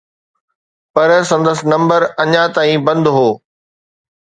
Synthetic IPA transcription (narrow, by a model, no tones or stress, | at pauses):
pɐɾsɐ̃nd̪əsɪ̆nɐ̃mbəɾɐɲãt̪aːĩbɐ̃nd̪ɦoː